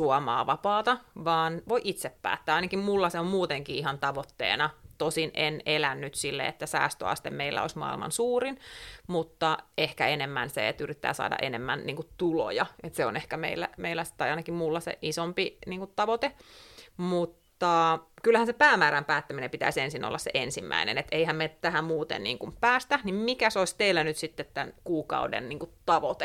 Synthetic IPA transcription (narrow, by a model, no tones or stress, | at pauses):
suɑmɑ̰ːʋɑpɑːt̪ɑʋɑːnʋoiʔit̪sepːæ̰ːt̪ːæːɑinɑkimmulːɑseommuːt̪eŋkiːihɑnt̪ɑʋot̪ːḛːnɑt̪osinʔenelænːyt̪silːḛḛt̪ːæsæ̰ːst̪ø̰ɑ̰st̪emmeilːæ̰o̰ismɑ̰ːḭlmɑ̰nsuːɾinmut̪ːɑehkæenemːænsḛḛt̪yrit̪ːæ̰ːsɑ̰ːdɑ̰ʔenemːænniːŋkutt̪ulo̰jɑet̪seo̰nehkæmḛilːæ̰meilːæst̪ɑjɑinɑkimmulːɑsḛʔisompiniːŋkut̪t̪ɑʋot̪e | mut̪ːɑkylæhænsepæːmæːɾæmpæːt̪ːæminempit̪æ̰isensinʔo̰lːɑssḛʔensimːæ̰inḛnet̪eihæmmet̪æhæmuːt̪ḛnnḭːŋkumpæːst̪æhnimmikæsoist̪eilːænyt̪sit̪ːet̪t̪ænkuːkɑ̰udḛnniːŋkutt̪ɑʋot̪e